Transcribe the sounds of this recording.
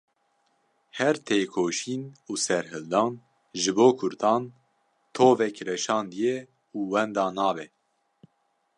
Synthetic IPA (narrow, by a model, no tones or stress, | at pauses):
hɛɾt̪ʰeːkʰoːʃiːnuːsɛɾɦɨld̪ɑːn | ʒɨboːkʰʊɾt̪ʰɑːn | t̪ʰoːvɛkɾɛʃɑːnd̪ijɛ | uːwɛnd̪ɑːnɑːvɛ